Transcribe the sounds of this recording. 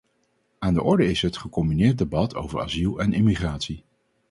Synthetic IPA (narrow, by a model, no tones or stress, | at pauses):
aːndəʔɔɹdəɪsɦətχəkɔmbinɪːɹt̚debɑtʰo̰wvəɹa̰zilˠɛnʔɪmiχraːtsi